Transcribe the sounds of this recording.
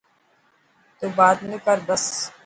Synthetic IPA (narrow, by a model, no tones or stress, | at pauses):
t̪ubaːd̪nukəɾbɐs